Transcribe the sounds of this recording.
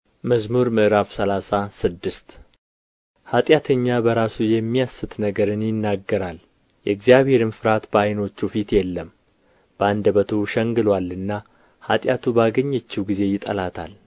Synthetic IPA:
məzmuɾmɨʔɾafsəlasasɨd̪ːɨst̪ | hat̪ʼjat̪ʰəɲːabəɾasujɛmːijasːɨt̪nəɡəɾɨnjɪnːaɡːəɾal | jɛɨɡzijaβhe̞ɾɨnfɨɾat̪bəajno̞t͡ʃːufit̪jɛlːəm | b̥əand̪əβət̪ʰuʃɛŋɡɨlwalɨnːa | hat̪ʼjat̪ʰubaɡəɲːɛt͡ʃːiwɡize̞jɪt̪ʼəlat̪ʰa̰l

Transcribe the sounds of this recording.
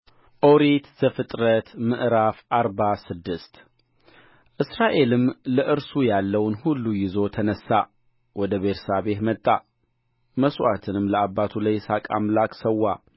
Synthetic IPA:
ʔo̞ɾet̪z̥əfɨt̪ʼɾət̪mɨʔɾafaɾbasɨd̪ːɨst̪ | ʔɨsɾaʔe̞lɨmləʔɨɾsujalːəwnhulːujɪzo̞t̪ʰənəsːa | wɔd̪əβeɾsaβe̞t̪mət̪ʼːa̰ | məswat̪ʰɨnɨmləabːat̪ʰulajsakʼa̰mlakʼsəwːa

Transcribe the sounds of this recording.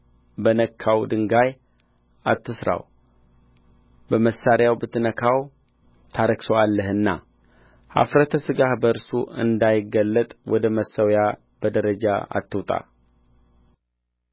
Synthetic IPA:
bənəkʰːawd̪ɨŋɡaj | at̪ʰːɨsɾa̰w | bəməsːaɾjawbɨt̪ʰːnəkʰaw | t̪ʰaɾəksowalːəhɨnːa̰ | ha̰fɾət̪ʰəsɨɡahbəɨɾsuɨ̰nd̪ajɪɡːəlːət̪ʼwɔd̪əməsːəwja | b̥əd̪əɾəd͡ʒa̰a̰t̪ːɨwt̪ʼa̰

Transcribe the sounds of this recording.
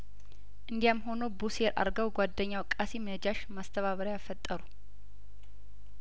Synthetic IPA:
ʔɨnd̪ijamɦo̞nobuseɾʔa̰ɾɡəwɡʷad̪ːəɲːawkʼːasiməd͡ʒaʃmast̪ʰəβaβəɾjafət̪ʼːəɾu

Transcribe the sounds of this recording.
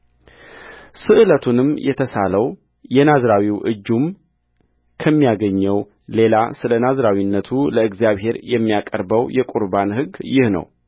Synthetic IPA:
sɨʔɨlət̪ʰunɨmjɛt̪ʰəsaləw | jɛnazɾawiwʔɨ̰d͡ʒːum | kʰəmːijaɡəɲːəw | le̞lasɨlənazɾawinːət̪ʰuləɨɡzijaβɦe̞ɾjɛmːijakʼəɾbəwjɛkʼuɾbanhɨɡjɪhnə̰w

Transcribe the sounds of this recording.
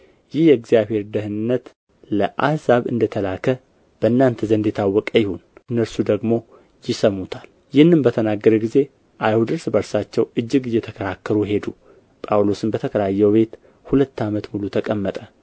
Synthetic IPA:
jɪhjɛɡzijaβhe̞ɾd̪əhɨɨnːət̪ | ləʔahzaβɨ̰nd̪ət̪ʰəlakʰə | b̥ənːant̪ʰəzənd̪it̪ʰawːɔkʼəjɪhunɨnːəɾsud̪əɡmo̞ | jɪsəmːut̪ʰal | jɪhɨnːɨmbət̪ʰənaɡːəɾəɡize̞ | ʔajhud̪ɨɾsbəɾsat͡ʃːɛwɨd͡ʒːɨɡɨjːɛt̪ʰəkʰəɾakʰːəɾuɦe̞d̪u | pʼawlo̞sɨnbət̪ʰəkʰəɾjajːɛwbe̞t̪ | hulət̪ːamət̪mulut̪ʰəkʼəmːət̪ʼə

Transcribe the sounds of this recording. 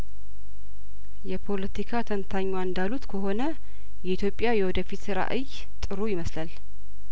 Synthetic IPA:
jɛpʰo̞lət̪ikʰat̪ʰənt̪ʰaɲːwaɨnd̪alut̪kʰəɦo̞nə | jɛit̪ʰjo̞pʼːjajɛwɔd̪əfit̪sɨɾa̰ʔɨj | t̪ʼɨɾojɪməslal

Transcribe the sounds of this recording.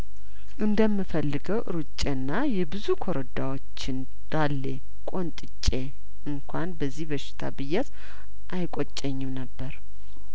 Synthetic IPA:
ʔɨnd̪əmːɨfəlːɨɡəwʔɨ̰ɾɨt͡ʃʼːenːajɛbɨzukʰoɾəd̪awot͡ʃːɪn | d̪̥alːe | kʼo̞nt̪ʼɨt͡ʃʼːe | ʔɨŋkʰʷanbəzːihbəʃɪ̥t̪ʰa̰bɨjɛt̪ | ʔajkʷʼot͡ʃʼːəɲːɛnəbːəɾ

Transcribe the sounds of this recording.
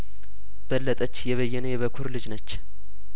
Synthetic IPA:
b̥əlːət̪ʼət͡ʃːjɛβəjːɛnəjɛβəkʰuɾlɨd͡ʒnət͡ʃː

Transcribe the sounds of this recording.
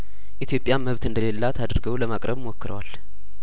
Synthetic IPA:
ʔit̪jo̞pʼjaməβt̪ɨnd̪əle̞lːat̪ʰad̪ɾɡəwləmakʼɾʔəβmokːɨɾə̰wal

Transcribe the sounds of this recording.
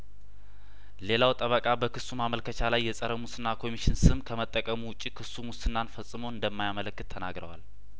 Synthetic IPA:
le̞lawt̪ʼəβəkʼabəkɨsumaməlkʰət͡ʃʰalajːɛsʼəɾəmusɨnːakʰo̞miʃɪnsɨmkʰəmət̪ʼːəkʼəmuwʊt͡ʃʼːikʰɨsːumʊsɨnːanfəsʼɨmoɨnd̪əmːajamələkːɨt̪ʰːənaɡɾəwa̰l

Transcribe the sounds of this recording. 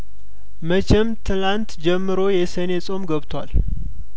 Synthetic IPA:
mət͡ʃʰɛmt̪ʰɨlant̪d͡ʒɛmːɨɾo̞jɛsənesʼo̞mɡəβt̪ʰwa̰l

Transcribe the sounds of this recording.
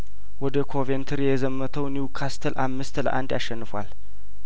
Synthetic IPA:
wɔd̪əkʰo̞vent̪ʰɨɾjɛzəmːət̪ʰəwnukʰast̪ʰəlʔamːɨst̪lə̰ʔand̪jaʃːɛnːɨfal

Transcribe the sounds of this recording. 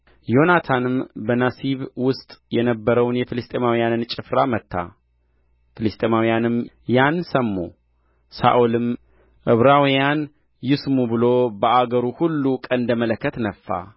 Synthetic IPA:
jo̞nat̪ʰanɨmbənasiβwʊst̪ʼjɛnəbːəɾəwnjɛfɨlɨst̪ʼemawijanɨnt͡ʃʼɪfɾamət̪ːa̰ | fɨlɨst̪ʼemawijanɨm | jansəmːo̰ | sa̰ʔulɨm | ʔɨβɾawijan | jɪsmubɨlo̞bəʔaɡəɾuhulːukʼənd̪əmələkːət̪nəfːa̰

